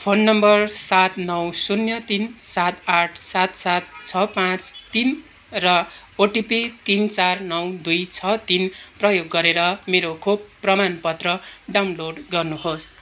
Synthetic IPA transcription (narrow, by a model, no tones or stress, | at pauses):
pʰonːʌmbʌrsat̪nʌwsunjʌt̪insat̪aʈʰsat̪sat̪̚t͡sʰʌpãt͡st̪in | rʌoʈipit̪int͡sarnʌwd̪ujt͡sʰʌt̪inprʌjoɡːʌɾeɾʌmeɾokʰobpːrʌmanpʌt̪rʌɖawnloɖɡʌrnuɦos